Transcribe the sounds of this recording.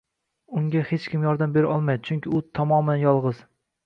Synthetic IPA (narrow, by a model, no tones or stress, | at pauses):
ʊŋɡʲahet͡ʃkʲʰɪmjɒɾd̪ambeɾʔɒlˠmajd̪ɪt͡ʃʰʊŋkʲɪʊt̪ʰɒmɒmanjɒlˠʁɨz̥